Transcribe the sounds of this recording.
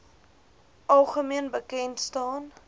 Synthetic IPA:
ʔɐlˠχəmiənbəkɛntstɑːn

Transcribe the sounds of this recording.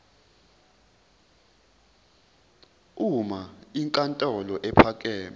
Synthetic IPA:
umaiŋkʼantʼɔlɔʔɛpʰak̬ʼɛːm

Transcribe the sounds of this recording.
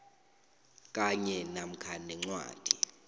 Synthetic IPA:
kʼaɲɛnam̩kʰanɛŋ͡ǀwa̰ːd̥ʱi

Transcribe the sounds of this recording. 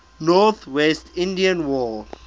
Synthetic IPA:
nɔθwɛstĩndiãnwɔ

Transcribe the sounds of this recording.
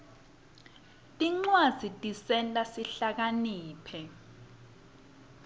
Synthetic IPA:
tʼiŋ͡ǀwaz̥ʱitʼisɛntʼasiɬak̬aniːpʰɛ

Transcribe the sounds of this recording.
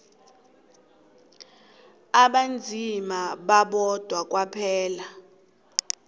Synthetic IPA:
aɓand͡zʱimaɓaɓɔd̥ʱwak̬ʼwapʰɛːla

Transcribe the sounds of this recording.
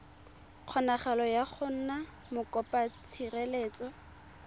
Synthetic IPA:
q͡χʰɔnaχalɔjaχʰʊn̩na | mʊkʼɔpʼat͡sʰirɛleːt͡sʼɔ

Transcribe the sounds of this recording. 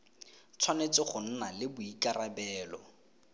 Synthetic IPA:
t͡sʰwanet͡sɪχʊn̩nalɪbʊikarabɛːlɔ̰

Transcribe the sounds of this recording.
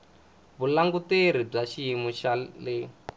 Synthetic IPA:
βulaŋɡuteɾ̤ib͡ʐaʃiimuʃale

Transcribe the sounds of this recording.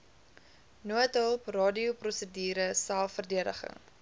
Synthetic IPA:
nuətəlˠprɑːdiuprɔsədiːɾəsælˠfərdiədə̰χə̰ŋ

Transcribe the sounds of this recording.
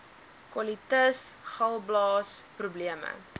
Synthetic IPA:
kwɔlitəsχɐlˠblɑːsprubliəmə̰

